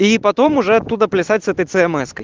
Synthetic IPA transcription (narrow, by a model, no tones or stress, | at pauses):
ipɐt̪omuʐɛɐt̪ːud̪ɐplʲɪsatʲsɛt̪əjt̪sɨɛmɛskɐj